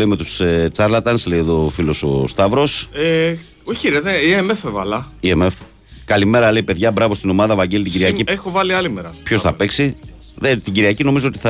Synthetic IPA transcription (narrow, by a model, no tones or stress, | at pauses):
eime̞t̪ust͡sɐɾlɐt̪ɐnsleiðo̞filoso̰st̪ɐvɾo̞se | oçiɾɐzeiemefevɐlɐiemef | kɐlime̞ɾɐle̞ipe̞ðʝɐbɾɐvo̞st̪ino̞mɐðɐvɐɟelit̪iɟiɾɣiɐciexovɐliɐlimeɾɐpço̞sθɐpeksi | ðet̪iɟiɾiɐcino̞mizoot̪i̥θɐ